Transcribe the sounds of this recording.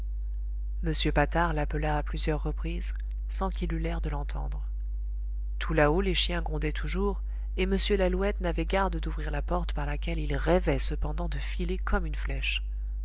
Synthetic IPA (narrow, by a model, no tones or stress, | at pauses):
məsjøpat̪aʁlapəlaːplyzjœʁːəpχiz | sɑ̃kilylɛʁd̪əlɑ̃t̪ʰɑ̰̃d̪ʁ | t̪ʰulaoleʃjɛ̃ɡʁɔ̃d̪ɛt̪ʰuʒuʁ | eməsjølaluɛt̪navɛɡaʁd̪əd̪uvʁiʁlapɔʁt̪paʁlakʲɛlilʁɛvɛsəpɑ̃d̪ɑ̃d̪əfilekʰɔmynflɛʃ